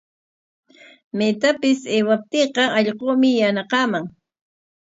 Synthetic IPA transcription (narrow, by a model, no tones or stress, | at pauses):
met̪apɪseːwap̚t̪eːqɑɑʎqoːmɪjanɑqɑːmaŋ